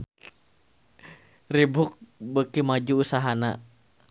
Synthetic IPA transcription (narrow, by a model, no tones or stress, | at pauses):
ribuk̚bəkimad͡ʒuːsaɦana